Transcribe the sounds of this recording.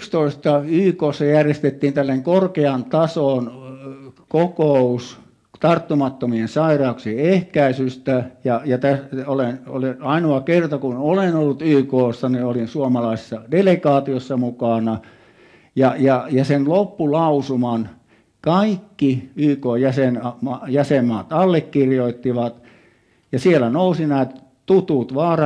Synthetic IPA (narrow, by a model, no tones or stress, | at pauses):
ykst̪oist̪ɑyːkoːsːɑjærjest̪et̪ːiːnt̪ælːeŋkorkeɑnt̪ɑsoˑn | kokous | t̪ɑrt̪ːumɑt̪ːomiensɑirɑuksiehkæisyst̪æjɑjɑt̪æoleno̰leɑinoɑkert̪ɑkunolenolːut̪yːkoːsːɑniolinsuomɑlɑise̥sːɑdelekɑːt̪iosːɑmukɑˑnɑ | jɑjɑjɑsenlopːulɑusumɑn | kɑikːiyːkoːjæsenɑmɑjæsemːɑːt̪ɑlːekːirjoit̪ːiʋɑt̪ | jɑsielænousinæˑːt̪ | t̪ut̪ut̪ʋɑːrɑ